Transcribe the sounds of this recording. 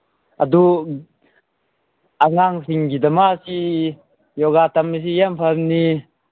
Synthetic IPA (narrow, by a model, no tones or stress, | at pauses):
ʔad̪u | aŋaŋsiŋɡid̪amasi | jɔɡat̪amːis̬ijampʰapni